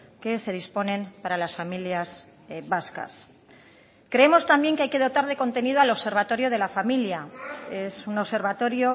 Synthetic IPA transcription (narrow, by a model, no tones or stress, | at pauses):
ke̞se̞ð̞ispo̞nẽ̞mpaɾalasfamiljas | βaska̰s | kɾe̞emo̞st̪ambje̞ŋkeajke̞ðot̪aɾð̞e̞ko̞nt̪e̞nið̞oalo̞βse̞ɾβat̪o̞ɾjo̞ð̞e̞lafamiljae̞suno̞βse̞ɾβat̪o̞ɾjo̞